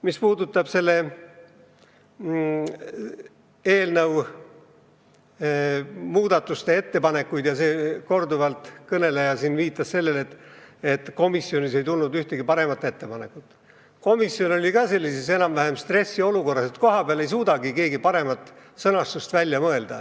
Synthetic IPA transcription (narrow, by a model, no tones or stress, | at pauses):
mispuːd̪ut̪ːˑɑb̥se̞lːe̞ | eːlnɤw | muːd̪̥ɑt̪ːˑust̪e̞e̞t̪ːe̞pɑne̞kːˑujd̪jɑse̞ːko̞rd̪uvɑlt̪ˑkɤne̞lejɑsinviːt̪ˑːɑsse̞lːe̞le̞t̪ːˑe̞t̪ːko̞misːjio̞nise̞jt̪ulnud̪yht̪eɡ̥ipɑɾe̞mɑt̪ːˑe̞t̪ːe̞pɑne̞kut̪ːˑ | ko̞misːjono̞lʲikɑse̞lʲːise̞se̞nɑmvæɦe̞mst̪re̞sːio̞luko̞rːɑse̞t̪̚ko̞ɦɑpeɑlejs̬uːd̪ɑɡike̞ːɡipɑɾe̞mɑt̪ːˑ | sɤnɑst̪ust̪vælʲːjɑmɤe̞ld̪̥ɑ